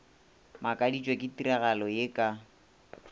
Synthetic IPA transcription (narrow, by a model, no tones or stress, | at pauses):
makʼadit͡ʃʼwekʼɪtiɾaɣalɔjekʼa